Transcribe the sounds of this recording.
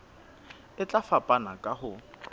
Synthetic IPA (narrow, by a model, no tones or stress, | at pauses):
ɪt͡ɬʼafapʼanakʼahʊ